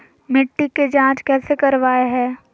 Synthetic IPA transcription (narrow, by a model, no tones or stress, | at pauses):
mɪʈːiked͡ʒãːt͡ʃkɛːsekɐɾʋaːeɦɛ̃ː